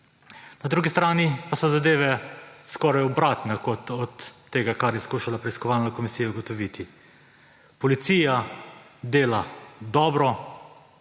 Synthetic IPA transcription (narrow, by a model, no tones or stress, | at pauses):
nad̪ɾuːɡist̪ɾaːnipasɔzad̪eːʋɛskɔːɾajɔbɾaːt̪nɛkɔt̪ɔt̪ːeːɡakaɾjɛskuːʃalapɾɛiskɔʋaːlnɔkɔmisiːjauɡɔt̪ɔʋit̪i | pɔlit̪siːja | d̪eːlad̪ɔːbɾɔ